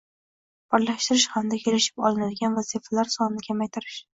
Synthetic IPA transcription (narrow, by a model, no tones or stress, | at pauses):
b̥ɒɾlaʃt̪ɪɾɪʃhamd̪akʲʰelɪʃɪ̥pɒ̰lˠɪnad̪ɪɡʲanvazifalaɾsɒnːɪkʲʰamajt̪ʰɪɾɪʃ